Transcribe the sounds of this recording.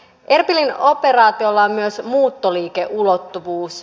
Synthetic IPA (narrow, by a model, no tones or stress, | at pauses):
ʔe̞rpilino̞pe̞rɑːt̪io̞lːɑmːyøsmuːt̪ːoliːkeʔulo̞t̪ːuʋuːs